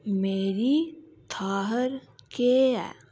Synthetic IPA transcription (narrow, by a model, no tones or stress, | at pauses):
meːɾi | t̪ʰaːɦəɾkeɛ̰